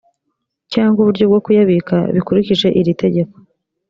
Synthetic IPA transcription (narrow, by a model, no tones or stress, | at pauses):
caːŋɡuβuɾɟo̞bɡo̞kujaβika̰βikuɾiciʒe̞ʔiɾite̞ɟe̞ko̥